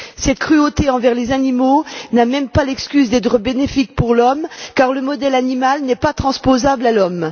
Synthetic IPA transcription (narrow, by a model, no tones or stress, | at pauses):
sɛt̪kχyot̪eɑ̃vɛʁlezanimonamɛmpalɛkskʲyzd̪ɛt̪χəbenefik̚puʁlɔmkaʁləmɔd̪ɛlanimalnɛpat̪χɑ̃spozablalɔm